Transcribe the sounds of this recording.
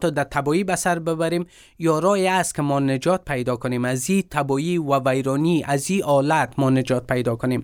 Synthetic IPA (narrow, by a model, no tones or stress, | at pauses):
t̪ɔd̪at̪ʰabɔibasaɾbɪbaɾem | jɔɾɔeast̪̚kɪmɔnɪd͡ʒɔt̪̚pʰajd̪ɔkʊnemazit̪ʰabɔiwavajɾɔniʔaziɒlat̪mɔnɪd͡ʒɒt̪̚pajd̪ɔkʊnem